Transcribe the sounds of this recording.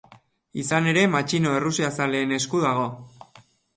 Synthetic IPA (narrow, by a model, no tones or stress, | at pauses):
isane̞ɾe̞mat͡ʃino̞e̞rusiasale̞ːne̞skuðaɣ̞o̞